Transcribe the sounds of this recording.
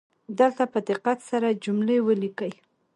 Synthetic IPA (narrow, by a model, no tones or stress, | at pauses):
d̪əlt̪apəd̪ɪqat̪saɾad͡ʒumlewəlikəj